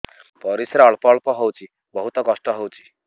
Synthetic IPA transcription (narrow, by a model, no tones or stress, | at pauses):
pɔɾisɾaɔɭpɔɭpɔɦowt͡ʃʰi | bɔɦut̪ɔkɔsʈɔɦowt͡ʃʰi̥